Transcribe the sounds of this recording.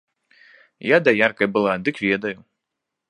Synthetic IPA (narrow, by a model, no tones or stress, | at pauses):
jad̪ɐjarkɐjbɨlˠad̪ɨkvʲɛd̪ɐju